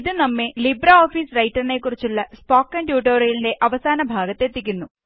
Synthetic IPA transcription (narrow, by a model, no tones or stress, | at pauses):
iðɨnɐmːelibrɐoːfiːsrɐjtːɐrne̞kːurit͡ɕːuɭːɐspoːkːɐndjuːʈ̬oːɾijlinde̞ʔɐʋɐsaːnɐbʱaːɡɐt̪ːe̞t̪ːikʲːunːu